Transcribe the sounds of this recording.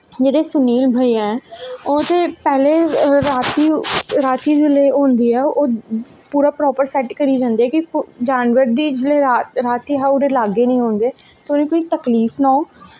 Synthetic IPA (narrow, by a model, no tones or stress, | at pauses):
d͡ʒeːɽeːsʊniːlbʱaːiɛ̃ːoːt̪eːpɛːleːɾaːt̪iːɾaːt̪iːd͡ʒɪleːõːnd̪iːɛːoː | puːɾaːpɾɔːpəɾsɛːʈkəɾiːd͡ʒãːnd̪iːɛːkɪd͡ʒaːnʋəɾd̪iːd͡ʒɪleːaɾaːt̪iːɦaːʊɾeːlaːɡeːnəĩːɦõːnd̪eːt̪onẽːkoːiːt̪əkliːfnaːoː